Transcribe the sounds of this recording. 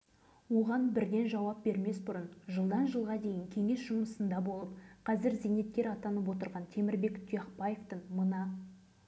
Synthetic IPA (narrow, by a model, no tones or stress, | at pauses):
wo̞ʁɑnbɪɾd̪e̞nʒɑwɑp̚be̞ɾme̞sbʊɾənʒəlˠd̪ɑnʒəlˠʁɑd̪e̞jɪŋkʲʰe̞ŋe̞sʒ̥ʊməsənd̪ɑbo̞lˠəp̚qʰɑzɪɾzejne̞t̪̚kʲːe̞ɾɑt̪ɑnəp̬wo̞t̪̬əɾʁɑnt̪ʰe̞mɪɾbe̞kt̪ʰujɑχpɑjeft̪əɴmənɑ